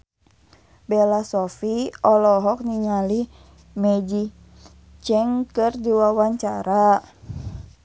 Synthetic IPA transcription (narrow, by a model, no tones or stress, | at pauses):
bɛlasɔfiɔlɔɦɔk̚niŋali | mɛd͡ʒi | t͡ʃɛŋkɨrdiwawaɲt͡ʃaɾa